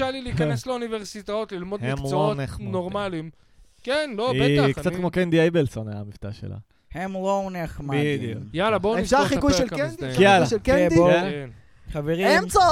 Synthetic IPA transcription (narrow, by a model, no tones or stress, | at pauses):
aliliikanesleuniveʁsit̪aot̪lilmo̞dhmemmlooonenoʁmmalim | kenloetaknt͡satkmokend̪iejbelsonea̰mift̪aʃela̰ | hemloneχmabid̪jukjalabonʃaikujeled̪jalaʃelkedboen | χaveʁiemt͡sa